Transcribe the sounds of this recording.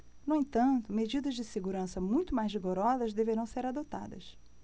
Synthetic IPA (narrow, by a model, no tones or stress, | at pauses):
nuẽt̪ɐ̃nt̪ʊmed͡ʒid̪ɐzd͡ʒɪseɡuɾɐ̃sɐmũj̃t̪ʊmajzviɡoɾɔzɐzd̪eveɾɐ̃w̃seɾad̪ot̪a̰d̪ɐ̰s